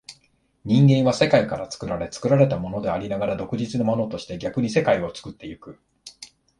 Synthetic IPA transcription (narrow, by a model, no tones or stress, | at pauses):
ɲ̟ĩŋɡẽ̞ɰ̃βase̞kaikaɾat͡sɨ̥kɯ̟ɾaɾe̞t͡sɨ̥kɯ̟ɾaɾe̞t̪amo̞no̞d̪e̞aɾʲinaɡaɾad̪o̞kɯ̟ʑit͡sɨnomo̞no̞t̪o̞ɕi̥t̪e̞ɡʲakɯ̟ɲ̟ise̞kaio̞t͡sɨ̥kɯ̟t̪ːe̞jɯ̟kɯ̟